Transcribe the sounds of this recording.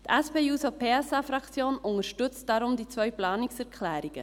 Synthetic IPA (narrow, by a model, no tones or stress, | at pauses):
d̥̪ɛspeːuːsopʰeːɛsɑːfɾɑkt͡sjoːnʔʊŋəʃtʏt͡std̥ɑɾʊmdiːt͡svœʏplɑːnɪksɛʁkʰlɛːɾɪɡ̥ə̰